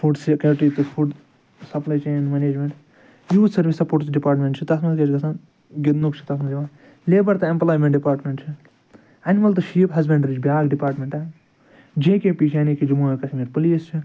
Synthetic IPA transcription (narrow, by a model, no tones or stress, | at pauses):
fuɖsikɐːʈiːt̪ɨfʰuɖ | sɐplaːjt͡ʃeːnmɐneːd͡ʒmẽɳʈ | juːsɐɾʋisɐpoːʈt͡ʃɖipaːɾʈmʲẽɳʈt͡ʃʰit̪ɐsmɐket͡ʃɡɐsan | ɡɪd̪nukt͡ʃʰi̥t̪ɐsmɐniã | leːbɐɾt̪ɐemplaːjmẽɳʈɖipaːɾʈmẽɳʈt͡ʃʰi | ɐnmɐlt̪ɨʃiːpɦɐzbeɳɖɾid͡ʒbʲaːɡɖipaːɾʈmʲẽɳʈɛː | d͡ʒẽːkẽːpiːʃʰaːnikid͡ʒumuːkɐsʰimiɾpɐliːst͡ʃʰi